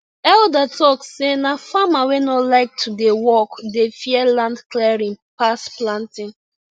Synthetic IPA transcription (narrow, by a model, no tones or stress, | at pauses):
ɛldatɔkssenafamawenɔlaɪk̚tʰudewɔkdefiɛlãndklɛɹĩŋpasplãntĩn